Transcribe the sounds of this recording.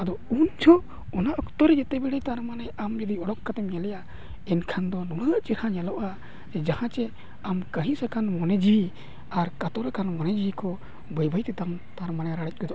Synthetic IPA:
ad̪ɔund͡ʒʰɔ | ɔnaʔɔkt̪ɔɾɛd͡ʒɛt̪ɛbɛɽɛjt̪aɾmanɛamd͡ʒɔd̪iɔɽɔkːat̪ɛmɲalɛja | ɛnkʰand̪ɔnuɽəʔt͡ʃiɾhaɲalɔʔa | d͡ʒɛd͡ʒahãt͡ʃɛ | amkəɦĩsakʰanmɔnɛd͡ʒii | aɾkat̪ɔɾɛkʰanmɔnɛd͡ʒijikɔ | bəjbʱəjt̪ɛt̪aŋt̪aɾmanɛɾaɽɛc̚ˀkɔd̪ɔʔ

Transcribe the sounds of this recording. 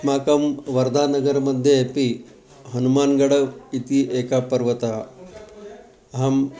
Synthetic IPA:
maːkɐmʋɐɾd̪ʱaːnɐɡɐɾmɐd̪ʱjepi | ɦɐnumaːnɡɐɽɐit̪iʔeːkapɐɾʋɐt̪a | ɦɐm

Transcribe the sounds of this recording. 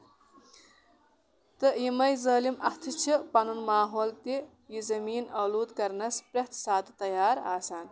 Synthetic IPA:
t̪ɨjimɐjzɐːlimɐht̪ʰɨt͡ʃʰipɐnunmaːɦoːlt̪i | jizɐmiːnɐluːd̪kɐɾnɐspɾɐht̪ʰsaːt̪t̪ɐjaːɾa̰ːsaːn

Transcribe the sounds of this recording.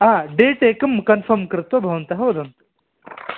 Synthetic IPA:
ɦaɖeːʈeːkɐmkɐnfʰɐɾmkɐɾɨt̪ʋɐbʱɐʋɐnt̪ɐɦɐʋɐd̪ʱɐnt̪

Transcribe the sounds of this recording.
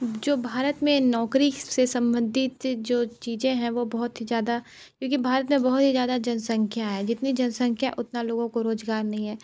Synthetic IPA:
d͡ʒoːbʱaːɾət̪mẽnɔːkɾisesɐ̃mbə̃nd̪ʱɪtt̪d͡ʒoːt͡ʃiːzẽɦɛ̃ʋobɐɦʊt̪ɦizjaːd̪a | kjõːkibʱaːɾət̪mẽbɔɦʊt̪ɦizjaːd̪ad͡ʒɐnsə̃ŋkʰjaɦɛd͡ʒɪt̪nid͡ʒɐnsə̃ŋkʰjaʔʊt̪naloːɡõkoɾoːzɡaːɾnɐɦĩɦɛː

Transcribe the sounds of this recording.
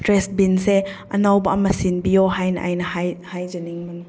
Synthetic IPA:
tɾes̚binse | ɐ̰nawbɐːmɐsinbijoɦajnɐ̰ʔa̰jnɐhajhajd͡ʒɐniŋmɐnu

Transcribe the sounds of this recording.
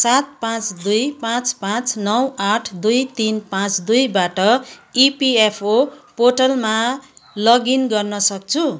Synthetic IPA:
sat̪̚pãt͡sd̪ujpãt͡spãt͡snʌwaʈʰd̪ujt̪inpãt͡sd̪ujbaʈʌipiepʰopoʈʌlmalʌɡinɡʌrnʌsʌk̚t͡sʰu

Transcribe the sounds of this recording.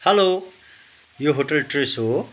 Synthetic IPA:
hɐlo | joɦoʈɐlʈɾiso

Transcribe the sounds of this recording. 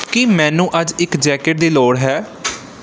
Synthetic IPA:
kimɛ̃ːnũːʔəd͡ʒɪkd͡ʒɛːkeʈ̚d̪iːloːɽɦɛː

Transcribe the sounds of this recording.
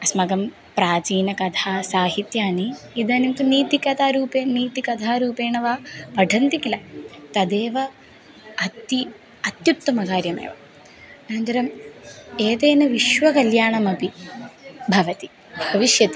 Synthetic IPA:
ɐsmɐɡɐm | pɾaːt͡ʃiːnɐkɐt̪ʰaːsaːɦit̪jaːni | id̪ɐːnint̪uniːt̪ikɐt̪ʰaːɾuːpeːniːt̪ikɐd̪ʰʱaːɾuːpeːɳɐʋaːʋɐɖʱɐnt̪ikilɐt̪ɐd̪eːʋɐ | ɐt̪i | ɐt̪jut̪ːɐmɐkaːɾjɐmḛːʋɐ | nɐnd͡ʒ̪ɐɾɐm | eːt̪eːnɐʋiʃʋɐkɐljaːɳɐmɐpi | bʱɐʋɐt̪i | bʱɐʋiʃjɐt̪i̥

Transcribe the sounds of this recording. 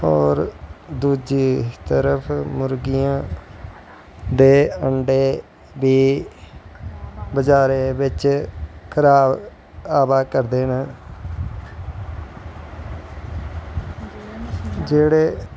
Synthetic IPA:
ɔːɾd̪uːd͡ʒiːt̪əɾəpʰmʊɾɡɪjãː | d̪eːəɳɖeː | biː | bəd͡ʒaːɾeːbɪt͡ʃkʰəɾaːb | aːbaːkəɾd̪eːnə | d͡ʒeːɽeː

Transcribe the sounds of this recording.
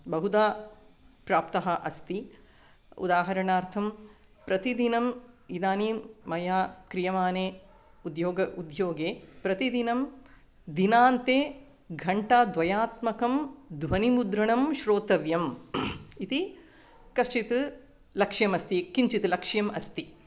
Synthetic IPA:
bɐɦud̪aː | pɾaːpt̪ɐɦɐʔɐst̪i | ṵd̪aːɦɐɾɐɳaːɾt̪ʰɐm | pɾɐt̪id̪inɐmid̪aːnimɐjaːkɾijɐmaːneː | ud̪joːɡɐʔud̪joːɡeːpɾɐt̪id̪inɐm | d̪inaːnt̪eː | ɡʱɐɳʈaːd̪ʋɐjaːt̪mɐkɐmd̪ʋɐnimud̪ɾɐɳɐmʃɾoːt̪ɐʋjɐm | it̪i | kɐst͡ʃit̪ɨ | lɐkʂjɐmɐst̪ikiɲt͡ʃit̪lɐkʂjɐmɐst̪i

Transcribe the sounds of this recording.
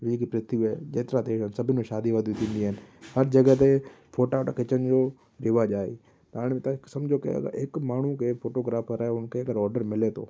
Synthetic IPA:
ʋikipɾɪt̪ijuɛd͡ʒeːt̪ɾad̪eːʃənsɐbʱɪnẽʃaːd̪iʋad̪jũt̪ʰĩːnd̪iɦənɪ̆hɐɾd͡ʒɐɡəɦt̪̬e | fʰoːʈaʈakʰɪt͡ʃənd͡ʑoː | ɾɪʋaʄaːḛ | t̪aːɽ̃ẽmẽt̪ãksɐmd͡ʒokḛɐ̰ɡə̰ekmaːɳ̤ukefʰoːʈoɡɾaːfəɾaːeʊnkʰeɐɡəɾɔːɾɖəɾmɪlet̪ʰo̰ː

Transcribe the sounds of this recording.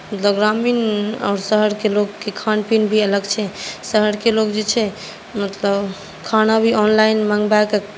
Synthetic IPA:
mət̪ləbɡɾaminɔ̰ːɾsəɦəɽkelokːekʰanpinbʱiələɡt͡ʃʰɛsəɦəɽkelokd͡ʒet͡ʃʰɛ | mət̪ləb | kʰanabʱiɔnlaɪnməŋɡbak

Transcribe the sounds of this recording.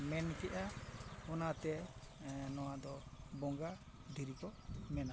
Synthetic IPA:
mɛnkɛʔaɔnat̪ɛ | nɔwad̪ɔbɔŋɡa | d̪ʱiɾikɔmɛna

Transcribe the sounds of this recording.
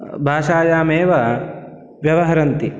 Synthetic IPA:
bʱaːʃaːjaːmeːʋɐ | ʋjɐʋɐɦɐɾɐnt̪i

